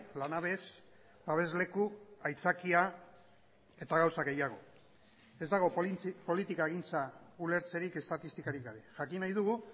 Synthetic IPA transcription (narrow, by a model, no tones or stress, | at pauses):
lanaβe̞s | baβe̞zle̞kuajt͡sakia | e̞t̪aɣawsaɣe̞jaɣ̞o̞ | e̞zd̪aɣ̞o̞po̞lit̪ikaeɣ̞int͡saule̞ɾt͡se̞ɾike̞st̪at̪ist̪ikaɾikaɾe̞ʝakinajðuɣ̞u